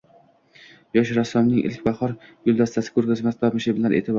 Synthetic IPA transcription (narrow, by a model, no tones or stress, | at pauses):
jɒʃɾasːɒmnɪŋʔɪ̰lkʲbaχɒɾjʊlˠd̪ast̪ʰasɪ̥kʰɵɾɡʲazmasb̪apmɪʃeblaɾʔḛt̪ʰɪb